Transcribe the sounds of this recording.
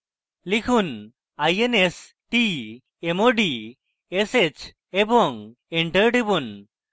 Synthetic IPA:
likʰuːn | ajenes | ʈi | emoɖi | eset͡ɕ | ebɔŋ | eɳʈəɾʈibuːn

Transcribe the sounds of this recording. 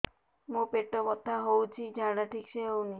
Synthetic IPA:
mũpeʈɔbɔt̪ːaɦowt͡ʃʰid͡ʒʱaɽaʈʰikʃeɦowni

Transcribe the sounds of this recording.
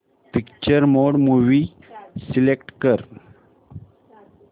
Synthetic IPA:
pikt͡ɕəɾmoɽmuʋi | silekʈkəɾ

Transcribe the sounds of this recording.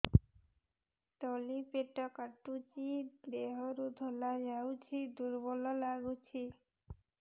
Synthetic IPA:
t̪ɔlipeʈɔkaʈut͡ʃid̪eɦɔɾud̪ʱɔlad͡ʒawt͡ʃʰid̪uɾbɔlɔlaɡut͡ʃʰi

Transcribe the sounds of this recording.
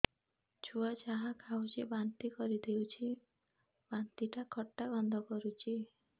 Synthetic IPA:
t͡ʃuat͡ʃaɦakʰawd͡ʒebant̪ikɔɾid̪ewt͡ʃʰi | bant̪iʈakʰɔʈːaɡɔnd̪ʱɔkɔɾut͡ʃʰi

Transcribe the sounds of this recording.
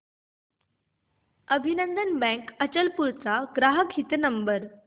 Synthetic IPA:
əbʱinənd̪ənbɛ̃kət͡ɕəlpuɾt͡saɡɾaɦəkit̪nəmbəɾ

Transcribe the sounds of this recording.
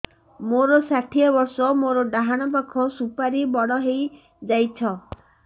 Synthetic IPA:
moɾɔsaʈʰiɔbɔɾsɔmoɾɔɖaɦaɽ̃ɔp̬akʰɔsupaɾibɔɽɔɦej | d͡ʒajt͡ʃʰɔ

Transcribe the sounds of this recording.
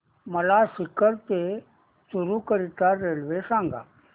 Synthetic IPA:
məlasikəɾt̪e | suɾukəɾit̪aɾelʋesãŋɡa̰

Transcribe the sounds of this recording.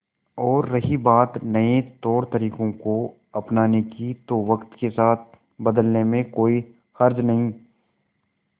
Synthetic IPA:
ɔːɾːɐɦibaːt̪nɐet̪ɔːɾt̪ɐɾiːkõko | ɐpnaːnekit̪oːʋəkt̪kesaːt̪̚ʰ | bɐd̪əlnemẽkoːi | xɐɾd͡ʒnɐɦĩ

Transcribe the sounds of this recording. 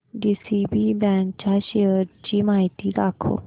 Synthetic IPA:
ɖiːsiːbiːbɛ̃ːŋkt͡ʃaːʃeəɾd͡ʒiːmaːɪt̪iːd̪aːkʰo̰ː

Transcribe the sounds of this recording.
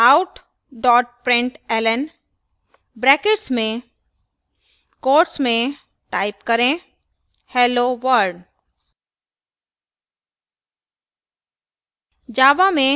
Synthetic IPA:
aʊʈ | ɖɔːʈ̚pɾɪ̃ɳʈɛːlən | bɾɛːkeʈsmẽ | koːɾʈsmẽ | ʈaːɪpkɐɾẽ | hɛːloʋəɾɖ | d͡ʒaːʋamẽ

